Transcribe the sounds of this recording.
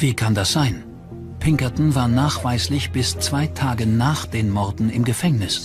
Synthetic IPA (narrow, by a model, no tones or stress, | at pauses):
v̥iːkʰandasz̥aɪn | pʰɪŋkɐtn̩vaːɐnaːχv̥aɪslɪçb̥ɪst͡sv̥aɪtʰaːɡənaːχd̥eːnmɔʁdn̩ɪmɡəfɛŋnɪs